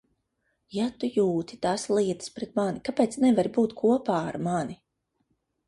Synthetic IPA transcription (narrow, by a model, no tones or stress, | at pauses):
jat̪ujuːt̪i̥t̪aːslˠiɛt̪ɨ̥spɾɛt̪̚manikapɛːt̪snɛvaɾbuːt̪kʰuɔpaːaɾmani